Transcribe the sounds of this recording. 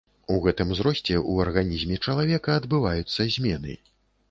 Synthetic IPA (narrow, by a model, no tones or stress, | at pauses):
uɣɛt̪ɨmzɾɔsʲt͡sʲɛʔuɐrɣanʲizʲmʲɛt͡ʂɐlˠavʲɛkɐːd̪bɨvajut̪sːɐzʲmʲɛnɨ̰